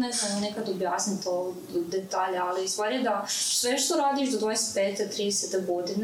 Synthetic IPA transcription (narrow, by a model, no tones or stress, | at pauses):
nezananekad̪objaːsnit̪o | d̪et̪aːʎaalist̪ʋaːɾied̪asʋeʃt̪oɾaːd̪iːʃd̪od̪ʋojeset̪̚peːt̪et̪ɾiːd̪eset̪eɡo̞d̪in